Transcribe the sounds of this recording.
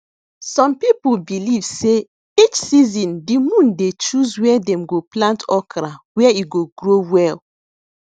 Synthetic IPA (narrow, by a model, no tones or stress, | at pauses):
sɔ̃mpipulbilivse | it͡ʃsizĩndimũndet͡ʃuzwɛɛdɛ̃mɡoplãntʰɔkɾawɛiɡoɡɹowɛl